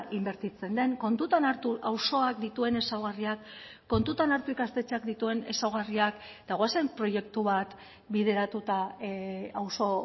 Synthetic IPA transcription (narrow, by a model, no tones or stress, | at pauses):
ʔimbe̞ɾt̪it͡se̞nd̪e̞ŋko̞nt̪ut̪anaɾt̪uʔawso̞akd̪it̪ue̞ne̞sawɣ̞ariakː | o̞nt̪ut̪anaɾt̪uikast̪e̞t͡ʃeakd̪it̪ue̞ne̞̰sawɣ̞ariak | d̪aɣwasempɾo̞je̞kt̪uβat̪ | biðe̞ɾat̪ut̪a | awso̞